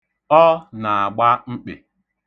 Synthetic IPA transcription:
ɔ˦na˨a˨ɡ͡ba˦ŋ͡m̩˦k͡pḛ˨

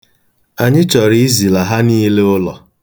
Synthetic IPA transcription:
a˨ɲɪ˦t͡ʃɔ˨ɾi˦i˦zi˨la˨ɦa˦niː˦le˦ʊ˦lɔ̰˨

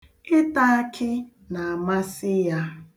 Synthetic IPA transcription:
ɪ˦ta˦a˦kʰɪ˦ | na˨a˨ma˦sɪ˦ja˦

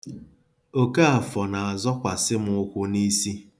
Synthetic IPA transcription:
o˦ka˦a˨fɔ˨na˨a˨zɔ˦kʷa˨sɪ˦m˦ʊ˦kʷʊ˦ni˦si˦

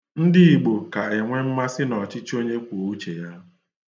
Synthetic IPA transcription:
n̩˦dɪ˦i˨ɡ͡bo˨ka˨e˨ŋʷe˦m̩˦ma˦sɪ˦nɔ˨t͡ʃɪ˦t͡ʃo˦ɲe˦kʷo˨u˦t͡ʃe˨ja˦

